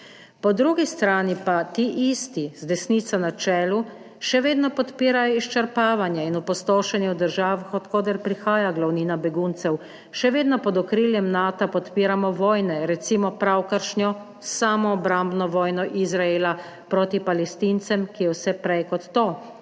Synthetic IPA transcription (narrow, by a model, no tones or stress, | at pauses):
pɔd̪ɾuːɡist̪ɾaːnipat̪iːʔist̪izd̪ɛsniːt̪sanat͡ʃɛːlu | ʃɛʋeːd̪nɔpɔt̪piːɾajɔiʃt͡ʃɛɾpaːʋanjɛinupɔst̪oːʃɛnjɛwd̪əɾʒaːʋaxɔt̪kɔːd̪ɛɾpɾixaːjaɡlawniːnabɛɡuːnt̪sɛw | ʃɛʋeːd̪nɔpɔd̪ɔkɾiːljɛmnaːt̪apɔt̪piːɾamɔʋɔːjnɛɾɛt̪siːmɔpɾawkəɾʃnɔ | saːmɔːbɾambnɔʋɔːjnɔʔizɾaeːla | pɾoːt̪ipalɛst̪int̪sɛmkijɛwsɛpɾɛjkɔt̪ːoː